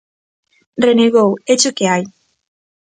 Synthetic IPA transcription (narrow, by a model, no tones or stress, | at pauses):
reneɣowet͡ʃukeaj